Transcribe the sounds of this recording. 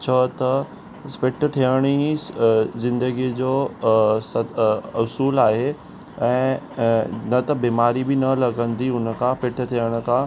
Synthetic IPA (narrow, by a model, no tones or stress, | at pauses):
t͡ɕʰət̪ɐ | fɪʈʈʰijəɽ̃i | zɪ̃nd̪əɡid͡ʑoːsɐʊsuːlaːɦe | ɛ̃ː | nɐt̪ɐbiːmaːɾibɪnɐlɐɡə̃nd̪iʊnəkʰãfɪʈʰʈʰijəɽ̃ʊ̆kʰã